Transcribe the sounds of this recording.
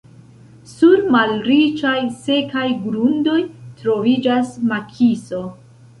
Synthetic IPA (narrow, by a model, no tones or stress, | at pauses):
suɾmalɾit͡ʃajse̞kajɡɾundo̞jtɾo̞vid͡ʒasmakʰiso̞